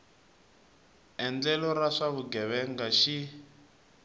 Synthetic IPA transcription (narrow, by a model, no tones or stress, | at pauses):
ɛnd͡ɮɛlɔɾaʂaβuɡɛβɛŋɡaʃi